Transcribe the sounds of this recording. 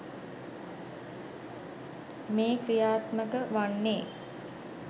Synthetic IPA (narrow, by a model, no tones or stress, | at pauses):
meːkrijaːt̪məkəʋanːeː